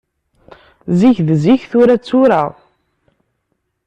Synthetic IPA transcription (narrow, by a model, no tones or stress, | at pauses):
ziçðziçθʊɾæt͡sːuɾəʁ